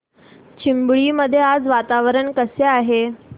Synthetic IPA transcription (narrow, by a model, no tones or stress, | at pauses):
t͡ɕʰimbɭiːməd̪ʱːjead͡zʋat̪aʋəɾəɳkəseaɦe